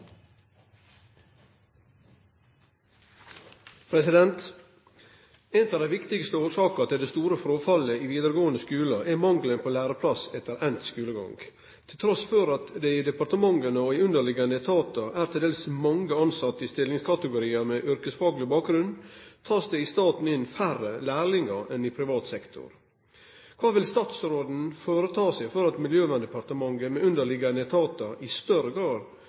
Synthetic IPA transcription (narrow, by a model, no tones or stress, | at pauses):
pʰɾɛsɪd̪ɛnt̪ | ɛnt̪ɑʋd̪æɪʋɪkt̪ɪɡst̪əoːʂɑːkɑt̪ɪd̪eːst̪uːɾəfɾoːfɑləiːʋiːd̪əɾəɡoːənəskʉːlɑʔɛmɑŋɡlənpʰoːlæːɾəpʰlɑsɛt̪əɾʔɛnt̪skʉːləɡɑ̰ŋɡ | t̪ʰɪlt̪ʰɾɔsføɾɑt̪d̪ɛiːd̪ɛpɑɾʈ̪əmɑŋənəoiːʉnd̪əɭɪɡɑnd̪ət̪ʰɑːt̪ɑʔæːɾt̪ʰɪld̪eːlsmɑŋɡəɑnsɑt̪ːəɪst̪ɪlːɪŋskʰɑt̪əɡʊɾiːəmɛʔʏɾkəsfɑːɡlɪbɑːk̚ɡɾʉnd̪t̪ʰɑːsd̪ɛɪst̪ɑːt̪n̩ɪnfærəlæːɭɪŋəɾɛnɪpʰɾɪʋɑːt̪sɛkt̪ʰʊ̰ɾ | kʰʋɑːʋɪlst̪ɑːt̪sɾoːd̪n̩foːɾət̪ʰɑːsɛɪfɔɾɑt̪mɪljøːʋænd̪əpɑɾt̪əmɑŋɡəmɛʉnd̪əɭɪɡɑnət̪ʰɑːt̪ɑɪst̪œɾəɡɾɑːɾ